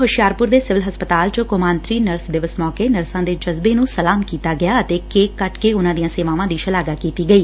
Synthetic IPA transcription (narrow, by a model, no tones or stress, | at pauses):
ɦʊʃjaːɾpʊɾd̪eːsɪʋəlɦəspət̪aːlt͡ʃəkʊmaːnt̪ɾiːnəɾsd̪ɪʋəsmɔːkeːnəɾsãːd̪eːd͡ʒəzbeːnũːsəlaːmkiːt̪aːɡɪjaːət̪eːkeːkːəʈkeːʊnãːd̪ijãːseːʋaːʋãːd̪iːʃəlaːɡaːkiːt̪iːɡəiː